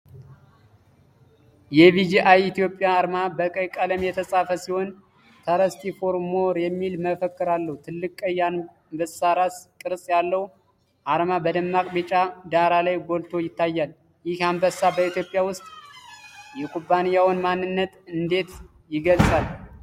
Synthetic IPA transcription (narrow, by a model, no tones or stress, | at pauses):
jɛβid͡ʒiʔajit̪jo̞pʼːjaːɾmabəkʼəjkʼələmjɛt̪ʰəsʼafəsiho̞n | t̪ʰaɾəst̪ʰifoɾmoɾjɛmːilməfəkːɨɾalːəhut̪ʰɨlːɨkʼəjan | mbəsaɾaskʼɨɾsʼjalːəhu | ʔaɾmabəd̪ɨmːakʼbit͡ʃʼad̪aɾalajɡo̞lt̪ʰo̞jɪt̪ʰːajːal | jɪhambəsabəit̪jo̞pʼːjawʊst̪ʼ | jɛkʰʼubːanijawnmanːɨnːət̪ɨnd̪e̞t̪ | jɪɡəlsʼal